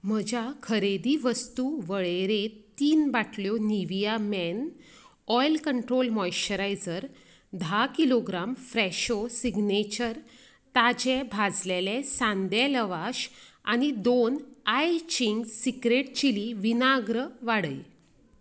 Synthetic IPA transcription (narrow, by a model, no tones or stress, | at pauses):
m̤əd͡ʑakʰəɾed̪iʋəst̪uʋəɭeɾet̪ːiːnbaʈʰljɔniʋijamɛn | ɔjlkəɳʈɾolmɔjɕəɾajd͡zəɾ | d̪ʱakiloɡɾamfɾɛɕosiɡnet͡ɕəɾ | t̪ad͡ʑebʱad͡zlelesãnd̪eləʋaɕa̰ñid̪onajt͡ɕiŋɡsikɾeʈ̚t͡ɕiliʋinaɡɾəʋaɽəj